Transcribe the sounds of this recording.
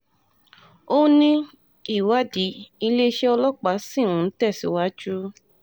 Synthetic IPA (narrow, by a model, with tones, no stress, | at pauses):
o˦nĩ˦ | i˦˨wa˦di˨˦i˧le˦ʃe˦ɔ˧lɔ˦k͡pa˨˦sĩ˦˨ũ˨˦˧n̩˦tɛ˦˨si˨˦wa˦d͡ʒu˦